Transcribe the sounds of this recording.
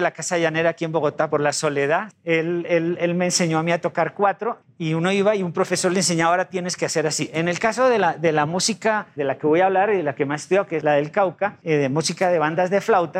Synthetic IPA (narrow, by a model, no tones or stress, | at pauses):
lakasaðeʝane̞ɾaːkie̞mbo̞ɣo̞t̪apo̞ɾlaso̞le̞ðaðe̞lele̞lme̞ːnse̞ɲo̞amiat̪o̞kaɾkwat̪ɾo̞ | iuno̞iβaiumpɾo̞fe̞so̞ɾlens̬e̞ɲaaoɾat̪je̞neskease̞ɾasiʔene̞lkaso̞ðe̞laðelamusikaðelake̞βo̞jaβ̞laɾiðelake̞measest̪uðaokeezlaðelkawkaeðemusikaðe̞βand̪azðe̞flawt̪a